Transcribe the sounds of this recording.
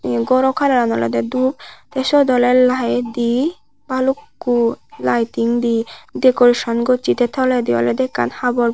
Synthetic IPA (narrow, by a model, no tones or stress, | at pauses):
ɡɔɾɔkʰaɾaɾanɔ̰lḛd̪ɛd̪ub̚t̪esɔd̪ɔleɾlaed̪i | balukːulajt̪iŋd̪id̪ekoɾiʃɔnɡot͡ʃit̪et̪ʰɔled̪iɔ̰led̪ɛkːa̰nhabɔɾ